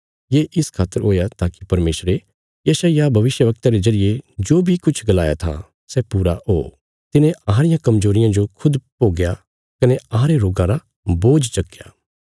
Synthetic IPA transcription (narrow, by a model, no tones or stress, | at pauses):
jeːʔɪskʰaːt̪ːəɾɦoːjat̪aːkipɐɾmeːsɾe | jɐʃaijabʱɐʋɪʃjəʋɐk̚t̪aɾezɐɾɪjed͡ʒoːbʱikʊt͡ʃʰɡɐlaːja̰t̪ʰa̰ | sɛpuːɾaɦo̰ː | t̪ɪnẽʔaːɾɪjãkɐmzoːɾɪjãd͡ʒokʰʊd̪poːɡeja | kɐneaːɾeɾoːɡãɾa | boːd͡ʒsɐkːja̰ː